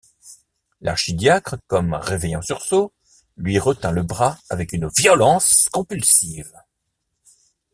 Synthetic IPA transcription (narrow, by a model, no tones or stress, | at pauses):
lʔa̰ʁʃid̪jakχəkɔmʁevɛjɑ̃syʁso | lɥiʁət̪ɛ̃ləbʁaavɛkynvjɔlɑ̃skɔ̃pylsiv